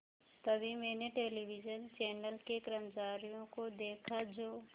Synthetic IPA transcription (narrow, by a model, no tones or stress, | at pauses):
t̪ɐbʱimɛ̃ːneʈeːliʋɪd͡ʒənt͡ʃɛːnəlkekɾəmt͡ʃaːɾijõkod̪eːkʰad͡ʒoː